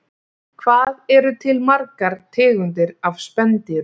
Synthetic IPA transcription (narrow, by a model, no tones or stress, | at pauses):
kʰvaːðɛɾʏt̪ʰɪlmaɾkaɾ̥t̪ʰɪːɣʏnt̪̬ɪɾavspɛnt̪ɪɾ